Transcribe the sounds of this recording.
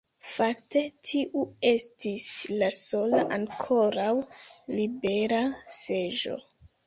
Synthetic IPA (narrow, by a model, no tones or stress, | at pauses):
fakte̞tʰiʔue̞stislaso̞laʔaŋkʰo̞ɾawlibe̞ɾase̞ʒo̞̰